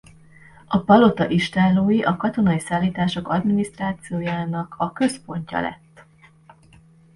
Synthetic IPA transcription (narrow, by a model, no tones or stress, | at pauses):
ɒpɒlo̞t̪ɒʔiʃt̪aːloːjiʔɒkɒt̪o̞nɒjisaːlːiːt̪aːʃo̞kɒd̪minist̪raːt̪sijoːjaːnɒkʰɒkø̞spo̞ɲcɒ̰lɛ̰t̪ː